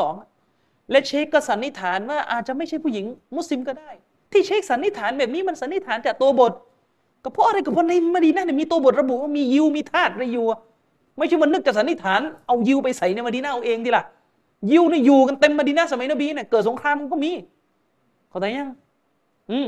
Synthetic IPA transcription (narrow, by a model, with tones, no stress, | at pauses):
sɔː˩˦ŋa˩ | lɛ˦˥t͡ɕʰeː˦˥kːɔ˧˩sa˨˦nːi˦˥t̪ʰaː˨˩˦nwaː˥˩ʔa̰ː˨˩t̪̚t͡ɕa˨˩ma˥˩jt͡ɕʰa˥˩jpʰuː˥˩ji˩˦ŋmu˦˥˩t̚li˧mkɔː˥˩daː˥˩j | t̪ʰiː˥˩t͡ɕʰeː˦˥k̚sa˨˦nːi˦˥t̪ʰaː˩˦nbɛː˨˩p̚niː˦˥ma˧nsa˨˦nːi˦˥t̪ʰaː˨˦nt͡ɕaː˨˩k̚t̪u˧ɐbo˨˩t̪̚ | ka˧˩pʰɔ˦˥ʔa˧ɾa˧jkɔ˨˩pʰɔ˧˥na˧jmaː˧diː˧naː˦˥ni˧˩miː˧t̪u˧ɐ˧bo˨˩t̪̚ɾa˧bu˨˩waː˥˩miː˧ji˧wmiː˧t̪ʰaː˥˩t̪̚ɾa˧jjuː˨˩ | ma˥˩jʰt͡ɕʰa˥˩ma˧nːɯ˥k̚t͡ɕaː˨˩sa˨˦ni˦˥˩t̪ʰaː˩˦nʔa˧wji˧wpa˧jsa˨˦jna˧jma˧diː˧naː˥ʔa˧wʔeː˧ŋt̪ʰiː˧˩la˨˩ | ji˧wna˧˩juː˨˩ka˧nt̪e˧mːa˧diː˧naː˦˥˨sa˧ma˨˦jnaː˧˥˩biː˧na˧˩kɤː˨˩t̪̚so˨˦ŋkʰɾaː˧mka˧nkɔː˥˩miː˧ | kʰa˨˩˦t̪aː˨˦ja˧˩ŋ | ʔɯː˧˩